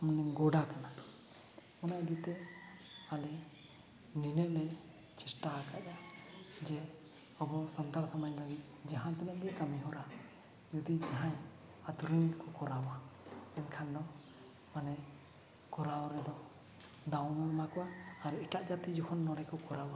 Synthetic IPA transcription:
mɔnɛɡɔɖakana | ɔnajd̪it̪ɛ | alɛ | ninɛʔlɛ | t͡ʃisʈakaʔd͡ʒad͡ʒɛ | ɔbɔsant̪aɾsamajlaɡit̪̚d͡ʒaɦãt̪ɛnɛʔɡ̪ɛkamiɦɔɾa | d͡ʒud̪id͡ʒaɦãj | at̪uɾinkɔkɔɾawaɛnkʰand̪ɔ | manɛ | kɔɾaɔɾɛd̪ɔ | d̪aw̃nalmakɔwaːɾiʈaʔd͡ʒat̪id͡ʒɔkʰɔnːɔɾɛkɔkɔɾawa

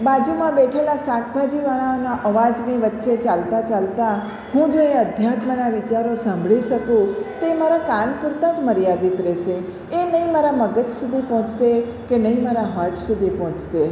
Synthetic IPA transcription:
bad͡ʒumãbɛʈʰelasakʰbad͡ʒiʋaɭ̃aonaʔəʋad͡ʒniʋətːʃet͡ʃalt̪at͡ʃalt̪a | hũd͡ʒoeəd̪ʱjat̪mənaʋɪt͡ʃaɾosãmbʱɭiʃəkũt̪emaɾakaɳpʊɾt̪ad͡ʒməɾijad̪it̪ɾɛʃe | enəĩmaɾaməɡət͡ʃsud̪ʱipɔɦɔ̃t͡ʃsekenəĩmaɾaɦəɾʈsud̪ʱipɔɦɔ̃t͡ʃse

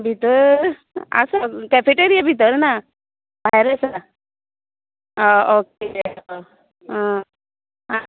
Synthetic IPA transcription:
bʱit̪əɾ | ə̰səkɛfeʈeɾijabʱit̪əɾna | bʱaɦjɾəsa | ook̚e | ə | ɦa

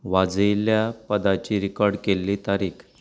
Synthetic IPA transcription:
ʋad͡zəjljapəd̪at͡ɕiːɾikɔɾɽkelːiːt̪aɾiːkʰ

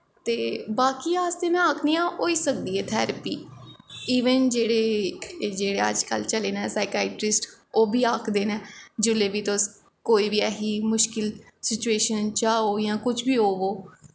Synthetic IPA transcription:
t̪eːbaːkiːaːst̪eːnãːaːkʰnĩːãːoːiːsək̚d̪iːɛːt̪ʰɛːɾəpḭː | iːʋənd͡ʒeːɽeːd͡ʒeːɽeːəd͡ʒkəlt͡ʃəleːnɛːsaːɪkaːɪʈɾɪsʈoːbiːaːkʰd̪eːnɛːd͡ʒʊleːbiːt̪os | koːiːʋiːɛːɦiːmʊʃkɪl | sɪt͡ʃueːʃənt͡ʃaːoːjãːkʊt͡ʃbiːɦoːʋoː

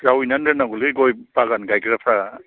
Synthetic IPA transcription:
zawinandenaɡuleɡɔjpaɡanɡajkɾapʰɾa

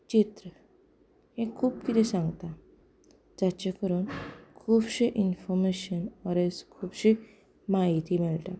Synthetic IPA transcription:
t͡ɕit̪ɾə | hẽkʰuːb̚kit̪ɛ̃sãŋɡt̪a | d͡zat͡ɕekəɾuːnkʰuːbɕiʔinfɔɾmeɕənɔɾeskʰuːbɕi | maɦit̪imɛɭʈ̪a

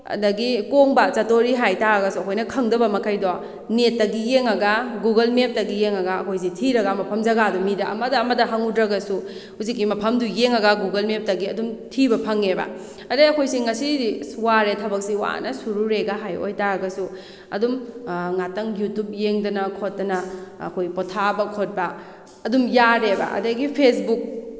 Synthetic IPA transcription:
ɐ̰dɐɡikoŋbat͡ʃɐtoɾiɦajtaɾɐɡɐsuɐkʰojnɐkʰɐŋdɐbɐmɐkʰɐjdo | netːɐɡijeŋɐɡɐɡuɡɐlmep̚tɐɡijeŋɐɡɐɐkʰojs̬itʰiɾɐɡɐmɐpʰɐmd͡ʒɐɡadumidɐʔɐmɐdɐːmɐdɐɦaŋudɾɐɡɐsu | huzikːimɐpʰɐmdujeŋɐɡɐɡuɡɐlmep̚tɐɡiɐdumtʰibɐpʰɐŋebɐ̰ | ɐdɐɐkʰojsiŋɐsisuwaɾetʰɐbɐk̚siwa̰nɐsuɾuɾeɡɐɦajo̰jtaɾɐɡɐsu | ɐ̰dumŋatɐŋjutup̚jeŋdɐnɐkʰot̚dɐnɐ̰ːkʰojpotʰabɐkʰot̚bɐ | ɐdumjaɾebɐ̰ʔɐ̰dɐɡipʰesbuk̚

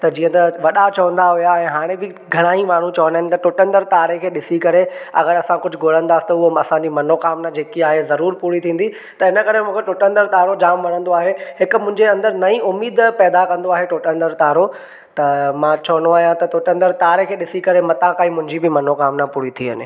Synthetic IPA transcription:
t̪ɐd͡ʑiːə̃nt̪ɐʋɐɗat͡ɕɐʋə̃nd̪aɦʊujaɛ̃ːɦaːɽ̃ẽbɪ | ɡʱɐɽ̃aːimaːɳ̤ũt͡ɕɐʋə̃nd̪aɦɪ̃nɪ̆t̪ɐʈʊʈə̃nd̪əɾt̪aːɾekʰeːɗɪsikɐɾeɐ̰ɣəɾɐsãkʊd͡ʑʱʊɡʱoːl̤ə̃nd̪aːsɪ̥t̪ɐʊɦoɐsãɲd͡ʑimɐnokaːmnad͡ʑeːkiaːɦezɐɾuːɾpuːɽit̪ʰĩːn̆d̪i | t̪ɐɪnə̆kɐɾ̤emũːkʰeʈʊʈə̃nd̪əɾt̪aːɾod͡ʑaːmʋɐɽ̤̃ə̃nd̪oaːɦeɦɪkʊ̆mʊ̃ɦɪ̃ɲd͡ʑeɐ̃nd̪əɾnɐĩʊmiːd̪pɛːd̪akɐ̃nd̪oaːɦeʈʊʈə̃nd̪əɾt̪aːɾo | t̪ɐmãt͡ɕʰɐʋənoaːɦijãt̪ɐʈ̪ʊʈə̃nd̪əɾt̪aːɾekʰeːɗɪsikɐɾemɐt̪ãkaːĩmʊ̃ɦɪ̃ɲd͡ʑibɪmɐnokaːmnapuːɽit̪ʰiʋə̰nɪ̰

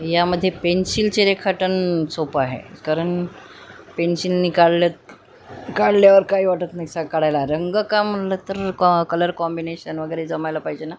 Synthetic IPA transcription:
jaməd̪ʱːjepensilt͡ɕeɾekʰaʈənsopaɦḛkaɾəɳ | pensilːikaɭlət̪ | kaɽljaʋəɾkaiːʋaʈət̪naisakaɽ̤ajlaɾəŋɡəkam̤ːəɳlət̪əɾkələɾkɔmbineɕənʋəɡəjɾed͡zəmajlapaɦid͡ʑena

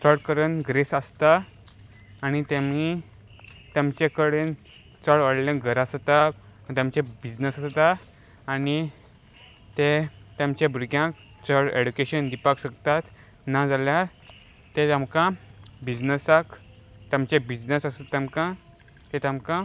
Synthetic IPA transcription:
t͡səɽkəɾənɡɾesəst̪aː | ñit̪emi | t̪amt͡ɕekəɽen | t͡səɭʋəɽlẽɡʱəɾast̪a | t̪amt͡ɕebid͡znəsast̪aː | ni | t̪e | t̪jamt͡ɕẽbuɾɡjãk | t͡səɭeɽukeɕənd̪ipakɕəkt̪at̪ | nad͡zaljaɾ | t̪et̪amkã | bid͡znəsak | t̪amt͡ɕebid͡znəsasət̪ːamkã | t̪et̪amkã

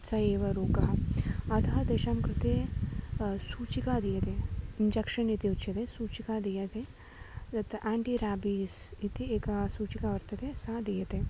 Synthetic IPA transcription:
sɐeːʋɐɾuːkɐɦɐɐt̪ʰɐɦɐd̪ɐːʃaːmkɾɪt̪eː | suːt͡ʃikaːd̪ijɐt̪eːiɲd͡ʒɐkʂɐnit̪iut͡ʃʰjɐt̪eːsuːt͡ʃikaːd̪ijɐt̪e | d̪ɐt̪ːɐʔaːɳʈiɾaːbisit̪ieːkɐsuːt͡ʃikaːʋɐɾt̪ɐt̪eːsaːd̪ijɐt̪eː

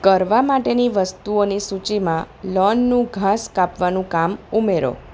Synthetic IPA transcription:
kəɾʋamaʈeniʋəst̪uonisut͡ʃimã | lɔnːũɡʱaskapʋanũkamumeɾo̰

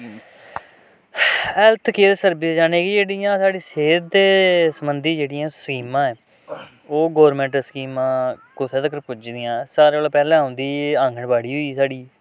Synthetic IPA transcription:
ɛlt̪ʰkeːɾsəɾbɪd͡ʒaːneːɡid͡ʒeːɽiːjãːsaːɽiːseːd̪ːeːsəmənd̪iːd͡ʒeːɽɪjãːskiːmãːɛː | oːɡɔːɾmɛ̃ːɳʈəsə̥kiːmãːkʊt̪ʰeːt̪əkəɾpʊd͡ʒd̪ɪjãːsaːɾeːoːlːpɛːlɛ̃ːɦõːnd̪iːãːŋɡʱəɳbaːɽiːɦoiːsaːɽiː

